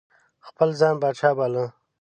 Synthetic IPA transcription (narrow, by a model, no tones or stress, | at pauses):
xpəlzɑːnbaːt͡ʃʰaːbaːlə̃